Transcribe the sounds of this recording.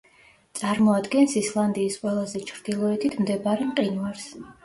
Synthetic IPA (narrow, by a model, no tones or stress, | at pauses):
t̪sʼaɾmɔad̪ɡɛnsislˠand̪iːsqʼwɛlˠazɛt͡ʃʰɾd̪ilˠɔɛt̪ʰit̪ʰmd̪ɛbaɾɛmqʼinvaɾs